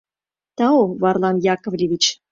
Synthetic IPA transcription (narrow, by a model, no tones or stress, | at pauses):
t̪ɑovɑrlˠɑnjɑkŏvlʲivʲit͡ɕ